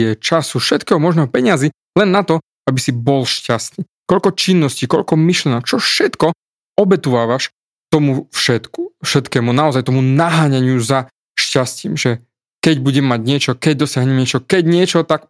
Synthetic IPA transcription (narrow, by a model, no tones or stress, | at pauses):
ɛt͡ʃasufʃɛt̪kɛːɦɔmɔʒnɛːɦɔpɛɲɪazi | lɛnːat̪ɔ | abisibɔlʃcast̪iː | kɔʎkɔt͡ʃinːɔscikɔʎkɔmiʃlɛnɔk̚t͡ʃɔfʃɛt̪kɔ | ɔbɛt̪uʋaːʋaʃ | t̪ɔmufʃɛt̪kufʃɛt̪kɛːmunaɔzajt̪ɔmunaɦaːɲaɲɪuza | ʃcasciːmʒɛ | kɛɟbuɟɛmːaɟɲɪɛt͡ʃɔkɛɟ̚d̪ɔsɪaɦɲɛmɲɪɛt͡ʃɔkɛɟɲɪɛt͡ʃɔt̪ak